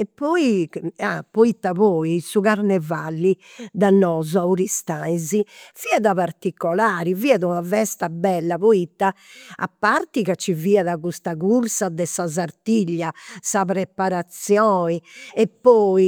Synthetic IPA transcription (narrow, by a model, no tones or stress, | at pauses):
ɛpːɔiapoit̪ːaβɔːisuɣaɾnɛvalːi | d̪anːɔːzɔauɾist̪aiziv̥iɛðaβaɾt̪ikːɔlaːɾiviːɛðunavɛst̪abɛlːaβoit̪ːaa̰pːaɾt̪iɣat͡ʃːiviːaðaɣust̪aɣuɾsad̪ɛsazaɾt̪iʎːasapɾɛpaɾat̪sjɔːiɛpːɔːi